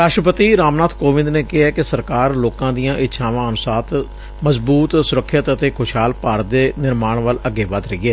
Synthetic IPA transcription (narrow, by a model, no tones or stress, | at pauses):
ɾaːʃɾəpət̪iːɾaːmnaːt̪ʰkoːʋɪ̃nd̪neːkɪɦɛːkɪsəɾkaːɾloːkãːd̪ijãːʔɪt̪ːʃʰãːʋãːənʊsaːt̪ | məzbuːt̪sʊɾəkʰːɪt̪ət̪eːkʰʊʃɦaːlpaːɾəd̪eːnɪɾmaːɳʋələɡːeːʋaːd̪ɾəiːɛː